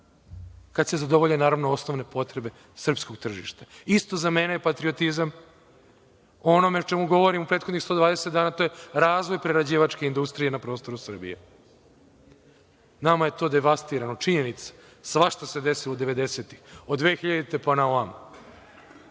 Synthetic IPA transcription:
kad̪sezad̪o̞ʋoʎenːaːɾaʋnoo̞sno̞ʋne̞po̞t̪ɾebe̞ | sr̩pskoɡ̚t̪r̩ʒḭːʃt̪aist̪o̞zamenejepat̪ɾio̞t̪izam | oono̞meot͡ʃemuɡo̞ʋo̞ɾimupɾet̪xo̞d̪ɲixst̪o̞d̪ʋaːd̪eset̪d̪aːnaːt̪o̞je̞ɾaːzʋojpɾeɾad͡ʑiːʋat͡ʃke̞ind̪ust̪ɾije̞napɾo̞ːst̪o̞ɾusr̩bḭjḛ | namaje̞t̪o̞ːd̪e̞ʋast̪iːɾanot͡ʃiɲenit̪sḁ | sʋaʃt̪ase̞d̪esilod̪e̞ʋe̞d̪e̞se̞t̪ixod̪ʋeːxiʎad̪it̪e̞panaoam

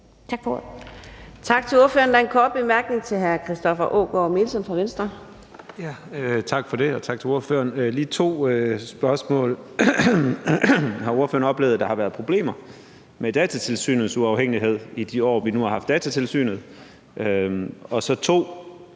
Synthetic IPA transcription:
t͡sʰɡf | t͡sʰɑ̈ɡ̥t͡sʰe̝loɐføːɐnd̥ɑ̈e̝nkʰɒːd̥̚b̥e̝mæɐɡ̥ne̝ŋt͡sʰe̝lɦæɐkʰʁisd̥ɒfɐʔo̰ːɡ̥ɒme̝ːlsɒ̽mfʁɑ̈ʋensd̥ʁɐ | jæt͡sʰɑ̈ɡ̥fɒ̽ɾe̝ɒt͡sʰɑ̈ɡ̥̚t͡sʰe̝o̝ɐfø̰ːɐnliːt͡sʰo̝̰ːøsb̥ɶɐsmɔ̰̽ːl | ɦɑ̈o̝ɐfø̰ɐnɒ̽b̥le̝ːʊð̩ˠd̥ɑ̈hɑ̈ʋæːɐð̩ˠpʰʁo̝b̥le̝̰ːmɐ | med̥ɛːt͡sʰæt͡sʰe̝lsy̰ːnð̩ˠsuɑ̈ʊɦeŋ̰iɦe̝ð̞̰ˠid̥iɒ̰ːʋinuhɑ̈ɦhɑ̈fd̥ɛːt͡sʰæt͡sʰe̝lsy̰ːnð̞̩ˠ | ʔøɒ̽sɒ̽t͡sʰo̝̰ː

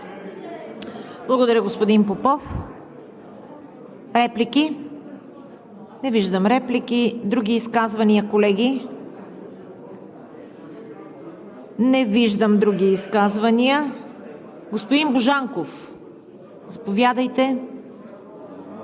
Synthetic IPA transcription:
blˠɐɡod̪ɐɾʲəɡospod̪inpopɔf | ɾɛpliki | nɛviʒd̪əmɾɛplikid̪ɾuɡiːskazvɐniəkolɛɡʲi | nɛviʒd̪əmd̪ɾuɡ̟iːskazvɐniə | ɡospod̪imbʊʒaŋkof | zɐpovjad̪əjt̪ɛ

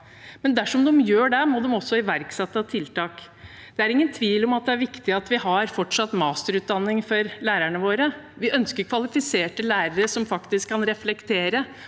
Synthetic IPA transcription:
mɛnd̪æʂɔmd̪ɛmjøːɖɛmod̪ɛmɔsːɔɪʋæɾksɛt̪ːɑt̪ʰɪlt̪ɑːk | d̪̥ɛæɾɪŋːənt̪ʰʋiːlɔmɑt̪̚d̪ɛæɾʋɪkt̪ɪɑt̪ʋɪhɑɾfɔʈʂɑt̪ːmɑːst̪əɾʉːt̪d̪ɑnːɪŋfɔɾlæːɾæɳəʋoːɾə | ʋɪʔœnskəɾkʰʋɑlɪfɪseːʈəlæːɾəɾəʂɔmfɑkt̪ɪskʰːɑnɾɛflɛkt̪ʰeːɾə

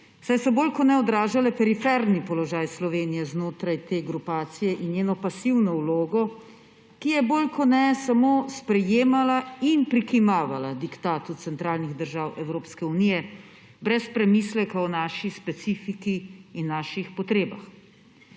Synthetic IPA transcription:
wsajsɔboːlkɔnɛɔd̪ɾaːʒalɛpɛɾifɛɾnipɔlɔʒaːjslɔʋeːnijɛznoːt̪ɾajt̪eːɡɾupaːt̪sijɛʔinjeːnɔpasiwnɔwloːɡɔ | kijɛboːlkɔnɛsamoːspɾɛjeːmalainpɾikimaːʋalad̪ikt̪aːt̪ut̪sɛnt̪ɾaːlniɣd̪əɾʒaːwɛwɾoːpskɛunijɛ | bɾɛspɾɛmislɛkaɔnaːʃispɛt̪siːfikiinːaːʃixpɔt̪ɾeːba̰x

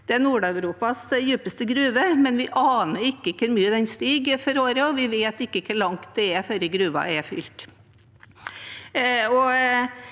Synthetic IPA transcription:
d̪̥ɛæɾnuːɖɑʉɾuːpɑsjʉːpəst̪əɡɾʉːʋəmɛnʋɪʔɑːnəɾɪkːəkʰəɾmyːəd̪ɛnst̪iːɡfɔɾoːɾəɔʋɪʋeːt̪ɪkːəkʰəɭɑŋt̪̚d̪ɛɛfœɾəɡɾʉːʋɑ̰ɛfʏ̰lt̪ | ɔ

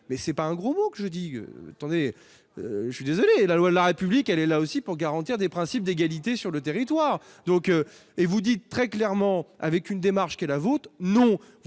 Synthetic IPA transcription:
mɛsɛpaɛ̃ɡʁomokəʒəd̪iø̰a̰t̪ɑ̃d̪e | ʒəʃɥid̪ezɔlelalwad̪əlaʁepyblikɛlɛlaosipuʁɡaʁɑ̃t̪iʁd̪epχɛ̃sip̚d̪eɡalit̪esyʁlət̪eʁit̪waːʁ | d̪ɔ̃kø | evud̪it̪ːχɛklɛʁmɑ̃a̰vɛkynd̪emaʁʃkɛlavot̪nɔ̃ | v

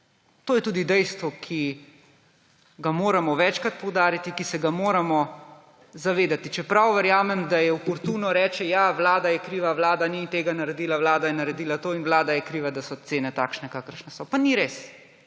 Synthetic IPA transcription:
t̪oːjɛt̪uːd̪id̪ɛjst̪ʋɔkʰi | ɡamoːɾamɔʋɛt͡ʃkat̪̚pɔwd̪aːɾit̪ikisɛɡamoːɾamɔ | zaʋeːd̪at̪it͡ʃɛpɾawʋəɾjaːmɛmd̪ajɛwpɔɾt̪uːnɔɾɛːt͡ʃɛjaʋlaːd̪ajɛkɾiːʋaʋlaːd̪anit̪eːɡanaɾɛd̪iːlawlaːd̪ajɛnaɾɛd̪iːlat̪oːinʋlaːd̪ajɛkɾiːʋad̪asɔt̪seːnɛt̪aːkʃnɛkaːkəɾʃnɛsɔpaniɾeːs

